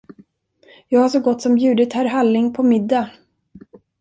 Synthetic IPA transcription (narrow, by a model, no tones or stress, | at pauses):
jɑːɡhaʂɔɡɔt̪ːsɔmjʉ̟ːd̪ɪt̪hæɾɦalːɪŋpʰɔmɪd̪ːa